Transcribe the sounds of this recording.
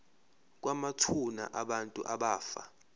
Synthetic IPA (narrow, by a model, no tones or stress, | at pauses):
k̬wamatʰuna̰ʔaɓantʼuʔaɓaːfa̰